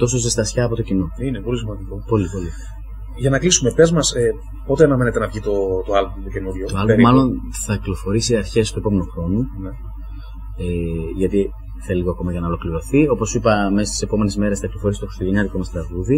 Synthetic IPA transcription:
t̪o̞s̬o̞st̪est̪ɐsçɐːpo̞t̪ocino̞inepolisimɐd̪iko̞po̞lipo̞li | ʝɐnɐklisumepezmɐse | po̞t̪eɐnɐmenet̪enɐvʝit̪ot̪oɐlbomt̪oce̞nuðʝot̪oɐlbeɾimːɐlo̞n | θɐklo̞fo̞ɾisiɐɾçe̞st̪ue̞po̞me̞noxɾo̞nune | eʝɐt̪i | θeiliɣoɐko̞mɐʝɐnɐolo̞kliɾo̞θio̞po̞sipɐme̞si̥t̪ise̞po̞me̞nizme̞ɾesθɐklo̞fo̞ɾisito̞xɾist̪oʝeɲɐðikomɐst̪ɾɐɣuði

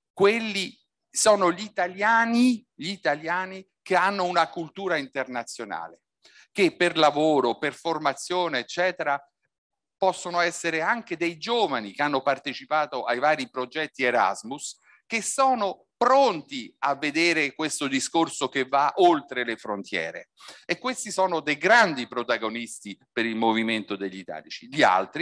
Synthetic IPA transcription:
kwelːi | sɔːnoʎit̪aljaːniʎit̪aljaːni | k̟eanːounakult̪uːɾaint̪ernat̪sːjona̰ːle | kepːerlavoːɾoperformat̪sːjoːneːt͡ʃːɛːt̪eɾa | pɔsːonoɛsːeɾeaŋk̟ed̪ejd͡ʒoːvanikeanːopart̪et͡ʃipaːt̪oʔajvaːɾipɾod͡ʒɛt̪ːieɾa̰zmus | k̟esːɔːno | pɾont̪iavːed̪eːɾekwest̪od̪iskorsokevːaʔolt̪ɾelefɾont̪jɛ̰ːɾḛ | ekːwest̪isɔːnod̪ejɡɾand̪ipɾot̪aɡonist̪ipeɾilmoviment̪od̪eʎːit̪a̰ːlit͡ʃiʎia̰lt̪ɾi

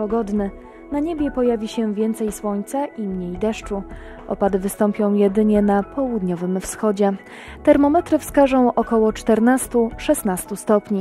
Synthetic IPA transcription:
pɔɡɔd̪nɘ | naɲebʲjɛpɔjavʲiɕɛvʲjɛnt̪sɛjswɔɲt̪saʔimɲejd̪ɛʂt͡ʂu | ʔɔpad̪vɘst̪ɔmpʲjɔ̃w̃jɛd̪ɘɲɛnapʰɔwud̪ɲɔvɘmfsxɔd͡ʑɛ | t̪ɛɾmɔmɛt̪ɾɘfskaʐɔ̃w̃ʔɔkɔwɔt͡ʂt̪ɛɾnast̪uʂɛst̪nast̪ust̪ɔpɲi

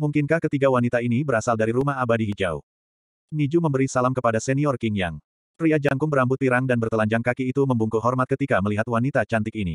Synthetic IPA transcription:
muŋkɪnkahkət̪iɡawanit̪ainibəɾasaldaɾiɾumaɦabadiɦid͡ʒa̰ṵ | nid͡ʒuməmbəɾisalamkəpadasɛniɔrkɪŋja̰ŋ | riad͡ʒaŋkʊŋbəɾambʊt̪ːiɾaŋdanbərt̪əlaɲd͡ʒaŋkakiːt̪uməmbuŋkuɦɔrmat̪̚kət̪ikaməliɦat̪wanit̪at͡ʃant̪ɪkinḭ

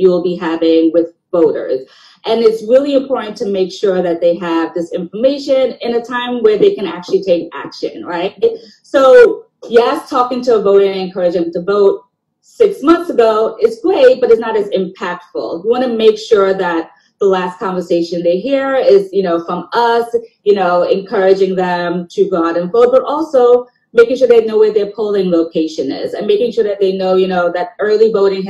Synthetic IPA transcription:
jɨwl̩ˠbiɦævɪ̃ŋwɪð | voʊɾə̰˞z̥ | ʔɨ̃nɨtsɹɪlˠiɨ̃mpʰɔɹʔn̩tʰɨmeɪkʃʊɹðɨt̪̚ðeɪəvðɪsɪ̃ɱfə˞meɪʃɨ̃nɪ̃nɨtʰãɪ̃mwə˞ðeɪkɨ̃næ̰k̚t͡ʃʉl̩ˠitʰeɪkæ̰kʃɨ̰̃nɹaɪt̚ | soʊ | jæstʰɔkɪ̃ŋtʰɨːvoʊɾ̃aɪɨ̃nkʰɜ˞ɨd͡ʒɨ̃mtəvoʊt̚ | sɪksmʌ̃nθsəɡoʊɪzɡɹeɪt̚b̥ʌɾɨznəɾɨzɨ̃mpʰæk̚tfl̩ˠwiwɑñɨmeɪkʃʊɹðɨt̪̚ | ðəlæskʰɑ̃ɱvə˞seɪʃɨ̃nðeɪɦiɹɪzjɨnoʊfɹʌ̃mʌsjɨnoʊɨ̰̃nkʰɜ˞ɨd͡ʒɪ̃ŋðɨ̃mtʰɨɡɑɾɨ̃nfoʊd̚b̥ʌɾʔɔlˠsoʊ | meɪkɪ̃ŋʃ̬ʊɹðeɪnoʊwəðə˞pʰoʊlˠɪ̃ŋloʊkʰeɪʃɨ̃nɪ̰zɨ̃nmeɪkɪ̃ŋʃʊɹðɨt̪̚ðeɪnoʊjɨnoʊðɨɾɜ˞lˠivoʊɾɪ̃ŋ

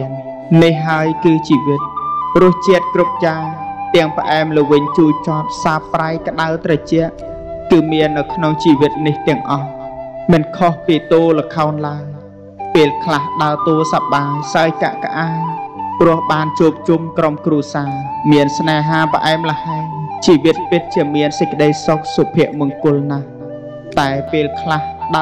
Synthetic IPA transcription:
ən | nihɦɦaəjkɨːt͡ɕiːʋɨt̪̚rʊ̆əht͡ɕiət̪̚krup̚jaːŋt̪ɛ̆əŋpə̆ʔaɛmləʋɨɲt͡ɕuːjt͡ɕɔt̪̚saːpːrajkə̆ɗaəwt̪rɑt͡ɕɛ̆əʔ | kɨːmiənːɨwkʰnoŋt͡ɕiːʋɨt̪̚niht̪ɛ̆əŋʔɑhmɨnkʰohpiːt̪oːləkʰaɔnlaəŋ | peːlkʰlahɗaət̪oːsap̚ɓaːsaəjka̰ʔkəʔaːɲprʊ̆əhɓaːnt͡ɕuːp̚t͡ɕumkromkruəsaːmiənsnaːɦaːpə̆ʔaɛmlə̆haɛŋt͡ɕiːʋɨt̪̚pɨt̪̚t͡ɕiəmiənsəc̚kːə̆ɗəjsok̚sopʰiəʔmʊ̆əŋkʊ̆əlnah | t̪aɛpeːlkʰlahɗa

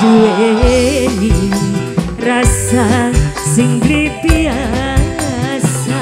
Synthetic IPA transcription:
ue | ni | rasasɪŋbɾit̪ia | asa

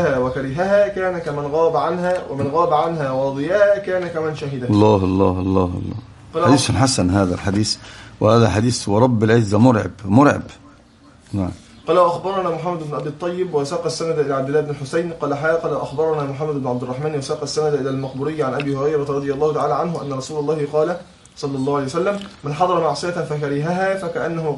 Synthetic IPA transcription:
hæːwækæɾɪɦæɦæːkæːnækæmɪnɣɑːbæʕanɦæːwʔæmɪnɣɑːbæʕanɦæːwɑːd̪ˤɨjæhækæːnækæmænʃaɦɪd̪æɑlˤːɑːɦɑlˤːɑːhɑlˤːɑːhlˤːɑ̰ː | qɑːlad̪iːsanħasænɦæːðælħad̪iːswhæːðælħad̪iːswɑɾˤɑbːɪlʕɪzːæmʊɾˤʕɪ̰bmʊɾˤʕɪ̰b | naʕm | qɑːlæwæʔaxbɑɾˤɑnæːmʊħamːæd̪ɪbnʊʔæbt̪ˤːɑjːɪbwæsɑːqɑsːænæd̪ʔɪlæːʕabd̪ɪlːæːʔɪbnɪlħʊsajnqɑːlæħaqɑlwʔaxbɑɾˤɑnæːmʊħamːæd̪ɪbnʊʕab̚d̪ɪrˤːɑħmæːnwasɑːqɑsːænæd̪ʔɪlæːlmɑqbʊɾɪjːʕanʔæbiːhʊɾˤɑjɾˤɑɾˤɑd̪ˤɨjɑlˤːɑːhʊt̪aʕaːlæːʕanɦʊʔænːɑɾˤɑsuːlɑlˤːɑːhɪqɑːlæ | sˤɑlːɑlˤːɑːhwʕalejsælːæmːɪnħɑd̪ˤɑɾˤɑmaʕsˤɨjatfækaɾiːɦaɦæːfækæʔanːæhʊ

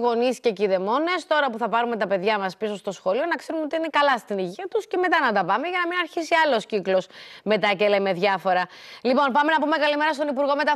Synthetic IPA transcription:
ɣo̞nisce̞ciðe̞mo̞ne̞st̪o̞ɾɐpuθɐpɐɾume̞t̪ɐpe̞ðʝɐmɐspiso̞st̪o̞sxo̞lio̞nɐkse̞ɾumeot̪iine̞kɐlɐst̪iniʝiɐt̪usce̞me̞t̪ɐnɐt̪ɐpɐme̞ʝɐnɐminɐɾçisiɐlo̞sciklo̞sme̞t̪ɐceleme̞ðʝɐfo̞ɾɐlipo̞npɐme̞nɐpume̞kɐlime̞ɾɐst̪o̞nipuɾɣo̞me̞t̪ɐ

